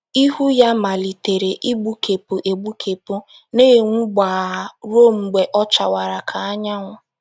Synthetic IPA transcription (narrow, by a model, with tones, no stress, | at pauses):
i˦ɦu˦ja˦ma˨li˨te˨ɾe˨ʔi˦ɡ͡bu˦kʰe˨pu˨ʔe˨ɡ͡bu˦kʰe˨pu˦ | ne˦˨ŋ̩ʷ˦ɡ͡ba˨ɾo˦˨m̩˨ɡ͡be˨ʔɔ˦t͡ʃa˨wa˨ɾa˨kʰa˨a˦ɲa˦ŋʷʊ˨